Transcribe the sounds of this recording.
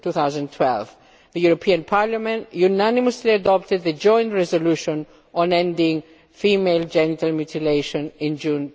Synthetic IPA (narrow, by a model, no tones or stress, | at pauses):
tuθawzə̃ntʰwɛ̰lv | ðəjuɾopʰiãnpʰaɹlamɛ̃ntjunaniməsliadɔp̚tɨd̪̚ðəd͡ʒɔ̃j̃ntɹɛzoluʃɔ̃n | ʔɔ̃nɛ̃ndɪ̃ŋ | fimeɪld͡ʒɛnitalmjut̪ʰileɪʃɔ̃nɪ̃nd͡ʒũn